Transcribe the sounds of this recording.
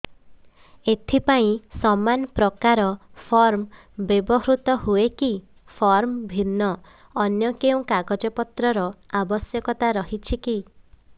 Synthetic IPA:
et̪ʰipaĩsɔmanpɾɔkaɾɔpʰɔɾm | bebɔɦɾut̪ɔɦueki | pʰɔɾmbʱinːɔː | njɔkeũkaɡɔd͡ʒɔpɔt̪ɾɔɾɔabɔsjɔkɔt̪aɾɔɦit͡ʃʰiki

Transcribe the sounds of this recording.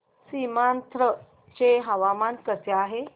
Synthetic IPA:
simant̪ʰɾə | t͡ɕeɦaʋamankəseaɦe

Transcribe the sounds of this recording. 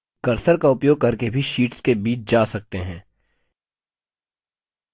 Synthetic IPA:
kɐɾsəɾkaʊpjoːɡ̚kɐɾkebʱiʃiːʈskebiːt͡ʃd͡ʒaːsɐk̚t̪eɦɛ̃ː

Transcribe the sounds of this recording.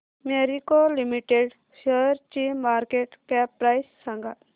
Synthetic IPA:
meɾikolimiʈeɖ | səɾt͡ʃimaɾkeʈkɛpɾajsːãŋɡa

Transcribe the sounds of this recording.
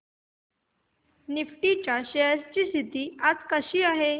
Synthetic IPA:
nifʈit͡ɕjaɕeɦəst͡ɕiːst̪ʰit̪iːad͡zkəɕiːaɦe

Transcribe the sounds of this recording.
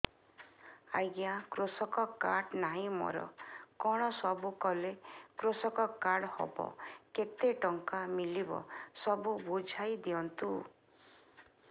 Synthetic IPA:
a̰jɡjakɾosɔkɔkaɽnaɦĩmɔ̰ɾɔ̰kɔɽ̃ɔsɔbukɔlekɾosɔkɔkaɾɽhɔ̰bɔ̰ket̪eʈɔŋkamilibɔ̰sɔbubud͡ʒʱajd̪iɔnt̪u

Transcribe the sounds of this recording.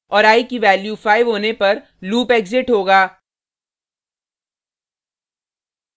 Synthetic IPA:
ɔːɾaːikiʋɛːljufaːɪʋɦoːnepɐɾ | luːpeːkzɪʈɦoːɡaː

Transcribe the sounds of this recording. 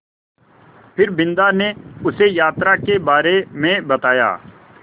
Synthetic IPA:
pʰɪɾbɪ̃nd̪aneʊsejaːt̪ɾakebaːɾemẽbɐt̪aːja̰ː

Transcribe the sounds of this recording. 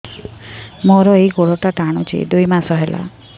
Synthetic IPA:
mɔɾɔejɡoɽɔʈaʈaɽ̃ut͡ʃʰḭd̪ujmasɔɦelʔa̰

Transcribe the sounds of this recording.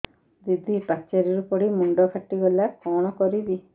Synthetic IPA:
d̪id̪ʱipat͡ʃaɾiɾupɔɽimuɳɖɔkʰaʈːiɡɔlakɔɽ̃ɔkɔɾid̪i

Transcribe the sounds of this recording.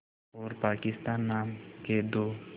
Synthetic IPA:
ɔɾpaːkɪst̪aːnːaːmked̪o

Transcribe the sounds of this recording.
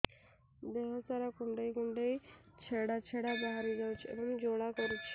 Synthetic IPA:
d̪eɦɔt̪aɾakuɳɖejkuɳɖej | t͡ʃʰeɽat͡ʃʰeɽabaɦaɾid͡ʒawt͡ʃʰiḛbɔŋd͡ʒoɽakɔɾut͡ʃʰi̥

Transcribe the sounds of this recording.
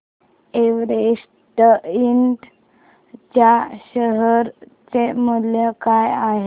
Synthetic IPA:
eʋɾeʂ | ʈəiɳʈ | t͡ɕjaɕəɦəɾ | t͡semuljəkajaɦe

